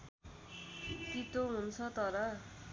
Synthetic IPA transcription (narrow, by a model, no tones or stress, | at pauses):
tit̪oɦunt͡sʰʌt̪ʌɾʌ